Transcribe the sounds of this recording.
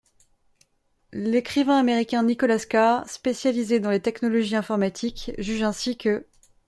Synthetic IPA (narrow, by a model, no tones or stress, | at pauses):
lekχivɛ̃ameʁikʲɛ̃nikɔlaskaʁspesjalized̪ɑ̃let̪ɛknɔlɔʒiɛ̃fɔʁmat̪ʰikʒyʒɛ̃sikə